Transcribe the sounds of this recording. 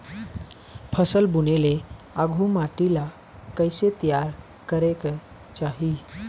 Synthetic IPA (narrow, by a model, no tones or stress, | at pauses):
pʰəsəlbunele | aɡʱumaʈila | kəjset̪ijaɾ | kəɾek | t͡ʃaɦi